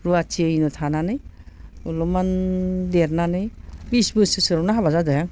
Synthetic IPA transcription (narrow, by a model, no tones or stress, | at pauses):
ɾuat͡ʃʰiejnɯtʰananɯj | ulɔmandeɾnanɯjbisbɯsɯsɯɾɔnaɦaβazadɯjaŋ